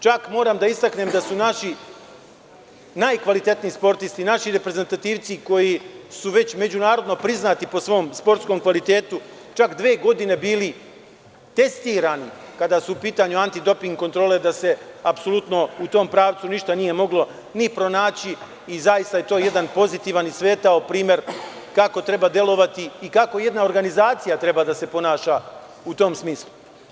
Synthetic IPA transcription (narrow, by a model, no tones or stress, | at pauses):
t͡ʃakmo̞ːɾaːmd̪aist̪akneːmd̪asunaʃi | najkʋalit̪e̞t̪niispo̞ɾt̪ist̪inaʃiɾe̞pɾe̞ze̞nt̪at̪iːʋt̪siko̞jisuʋe̞t͡ɕme̞d͡ʑunaːɾo̞d̪no̞pɾiznaːt̪ipo̞sʋo̞ːmspo̞ɾt̪sko̞mkʋalit̪e̞ːt̪u | t͡ʃakd̪ʋe̞ːɡo̞d̪ine̞biːli | t̪e̞st̪iːɾaːnikad̪asuupiːt̪aːɲuant̪id̪o̞piŋɡko̞nt̪ɾo̞ːle̞d̪ase̞apso̞lˠut̪no̞ut̪o̞ːmpɾaːʋt̪suniʃt̪anije̞mo̞ɡlo̞ | nipɾo̞naːt͡ɕiː | zajist̪aje̞t̪o̞ːje̞d̪anpo̞zit̪iːʋanisʋe̞ːt̪aopɾiːmje̞ɾ | kako̞t̪ɾe̞baːd̪je̞lo̞ʋat̪iːkako̞je̞d̪nao̞ɾɡanizaːt̪sijat̪ɾe̞bad̪ase̞po̞naːʃa | ut̪o̞ːmsmiːslˠu